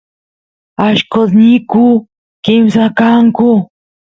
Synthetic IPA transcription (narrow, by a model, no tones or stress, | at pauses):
aʃkot̪nɪkʊ | kɪmsakaŋkʊ